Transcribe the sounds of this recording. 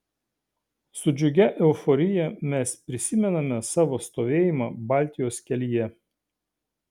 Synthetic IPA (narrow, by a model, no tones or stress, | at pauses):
sʊd͡ʒʲʊɡʲɛʔɛʊfɔɾʲɪjɛmʲɛspʲɾʲɪsʲɪmʲɛnɐmʲɛsɑːʋoːst̪oːʋʲeːjɪmɑbɑːˑlʲt̪ʲɪjoːskʲɛlʲijɛ